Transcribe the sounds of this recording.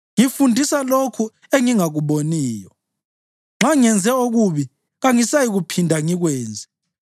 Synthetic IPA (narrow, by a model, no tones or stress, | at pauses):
ŋifundʱisalokʰu | eŋiŋaɣuβoniːjɔ | ŋ͡ǁʱaŋɛnd͡zʱɛoɣuβi | ɣaŋisajiɣupʰindʱaŋiɣwɛːnd͡zʱɛ